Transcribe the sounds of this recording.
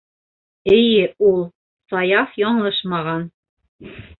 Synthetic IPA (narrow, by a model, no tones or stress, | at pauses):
ɘ̆jɘulˠ | sɑjɑfjɒɴlˠɤʃmɑʁɑn